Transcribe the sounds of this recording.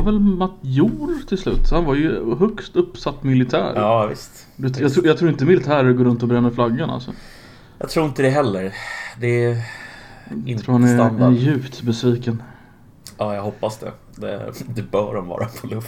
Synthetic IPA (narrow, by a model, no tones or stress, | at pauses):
ɾvɛlmat̪juːɾt̪ʰɪlslʉ̟ːt̪hanvaɾjɵɦœkst̪ɵpːsat̪ːmɪlɪt̪ʰæ̰ːɾɑːvɪ̰st̪ | d̪ɛjɑɡt̪ʰɾːjɑːt̪ʰɾuːɾɪnt̪̬əmɪlɪt̪ʰæːɾəɾɡoːɾɵnt̪ɔbɾɛnːəɾflaɡːəna̰lsɔ̰ | jɑ̰ɡt̪ʰɾuːɪnt̪əd̪ɛɦɛlːəɾd̪ɛ | ɪnʰɾuːhanɛɾjʉ̟ːpt̪bɛsviːkən | ɑːjɑɡhɔpːasd̪ɛ̰ | d̪ɛ̰d̪ɛbœːɖɔmvɑ̰ːɾa̰pʰɔlɵft̪